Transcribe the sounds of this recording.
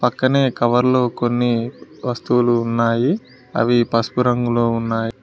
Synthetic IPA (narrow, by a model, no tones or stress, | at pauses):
pɐkːɐne̞ːkɐʋɐɾlo̞ːko̞nːiʋɐst̪uwuluːnːaːji | ɐ̰ʋipɐspuɾɐŋɡuloːunːaːji